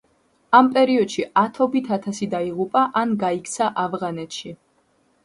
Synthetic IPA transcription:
ampʼɛɾiɔd̪̥ʃiat̪ʰɔbit̪ʰat̪ʰasid̪aiʁupʼaʔanɡaikʰt̪sʰaʔavʁanɛt̪ʰʃi

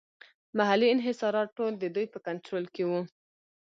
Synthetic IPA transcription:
maɦaliɪnɦɪsɑɾɑʈːold̪əd̪ujpəkaɳʈɾolkewu

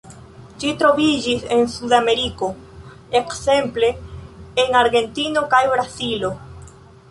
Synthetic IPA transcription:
ʃitɾo̞vid͡ʒise̞nsudame̞ɾiko̞ | ekse̞mple̞ː | naɾɡe̞ntino̞kajbɾasilo̞

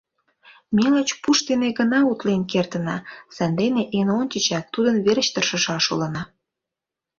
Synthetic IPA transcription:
melot͡ɕpuʃt̪eneɣənɑut̪lenkert̪ə̆nɑsænd̪eneʔenont̪ʲət͡ɕæt̪ːud̪ənβeɾət͡ɕt̪ərʃə̆ʃɑʃolə̆nɑ

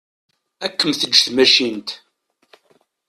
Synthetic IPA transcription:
ækːəmθəd͡ʒːθmæʃint̪

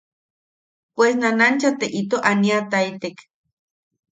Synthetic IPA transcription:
pwesnanant͡ʃat̪eʔit̪oʔaniat̪ajt̪ek

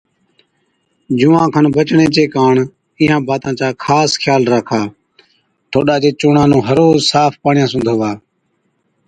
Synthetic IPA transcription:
d͡ʒuːʋãːkʰənbət͡ʃɳẽːt͡ʃeːkaːɳ | iːɦãːbaːt̪ãːt͡ʃaːkʰaːskʰjaːlɾaːkʰaː | ʈʰoːɗaːd͡ʒeːt͡ʃʊːɳãːnũːɦəɾoːzsaːpʰpaːɳɪjãːsʊ̃nd̪ʱoːʋaː

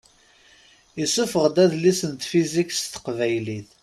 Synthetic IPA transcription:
jəsʊfəʁd̪æðlisənt̪fizikst̪ə̥qvæjliθ

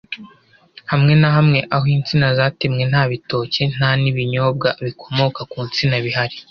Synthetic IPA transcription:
hamŋe̞naɦamŋe̞ʔahoint͡sinazaːtemŋe̞n̥haːβitoːce̞n̥aniβiɲo̞ːb̚ɡaβikʰo̞mo̞kakuːnt͡sinaβiɦaɾi

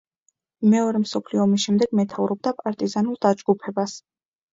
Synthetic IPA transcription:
mɛɔɾɛmsɔpʰliɔmisʃɛmd̪ɛɡmɛt̪ʰavɾɔb̚d̪apʼaɾt̪ʼizanulˠd̪ad͡ʒɡupʰɛbas

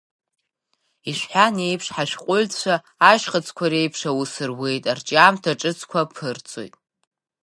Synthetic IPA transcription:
iʃʷᶣħʷane̞jpʰʂħaʃᶣqʷʼʊlt͡ʃʷʰaː | ʒχat͡sʰʼkʷʰaɾe̞jpʰʂawusɨrwe̞jtʼart͡ʃʼamtʰaʈ͡ʂʼɨt͡sʰkʷʰapʰɨrt͡sʼo̰jtʼ

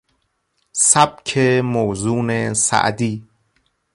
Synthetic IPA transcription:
sæb̥kʰemoːzuːnesæ̰ʔd̪iː

